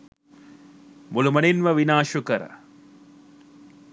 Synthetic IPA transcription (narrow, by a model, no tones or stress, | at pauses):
mulumɐninʋɐʋinaːʃukəɾə̰